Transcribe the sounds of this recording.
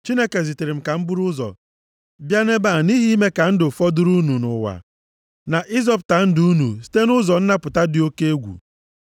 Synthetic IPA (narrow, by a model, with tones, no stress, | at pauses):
t͡ʃi˦ne˦ke˨zi˨ti˨ɾɪ˨m̩˨ka˨m̩˦bʊ˦ɾʊ˦zɔ̰˨ | bja˦ne˦ba˦˨ni˦ɦi˦me˦ka˨n̩˦dʊ˨fɔ˦dʊ˦ɾu˦nu˨nʊ̰˨wa̰˨ | na˨ʔi˦zɔ˦pta˨n̩˦dʊ˨u˦nu˨si̥˦te˦nʊ˦zɔ˨n̩˦na˦pʊ˨ta˦dɪ˨o˦ke˦e˦ɡʷṵ˨